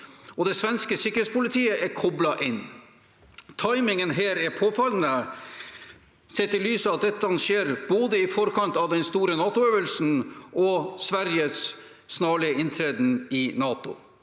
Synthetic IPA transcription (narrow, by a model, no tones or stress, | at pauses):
ɔd̪ɛsʋɛnskəsɪkːəɾhet̪spʊlɪt̪ʰiːəʔɛɾkʰɔblɑʔɪnː | t̪ʰɑɪmɪŋənɦeːɾɛɾpʰoːfɑlnə | sɛt̪ːɪlyːsəɑt̪̚d̪ɛt̪ːɑnʃeːɾb̥oːd̪əɪfɔɾkʰɑnt̪ɑʋd̪ɛnst̪uːɾənɑːt̪ʊøːʋəlsn̩ɔsʋæɾjəsː | nɑːɭɪəɪnt̪ʰɾɛd̪n̩ɪnɑːt̪ʊ̰